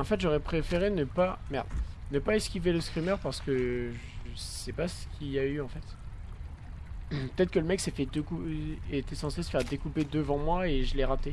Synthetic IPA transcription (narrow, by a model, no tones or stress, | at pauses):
ɑ̃fɛt̪ʒɔʁɛpχefeʁenəpamɛ̰ʁd̪nəpaɛskʲiveləskχimœʁpaʁsə̥kəʒəsɛpasə̥kʲʰiayɑ̃fɛt̪ | pə̥t̪ɛt̪χəkələmɛksɛfɛd̪ekut̪ɛsɑ̃sesə̥fɛʁd̪ekuped̪əvɑ̃mwaeʒəlɛʁat̪e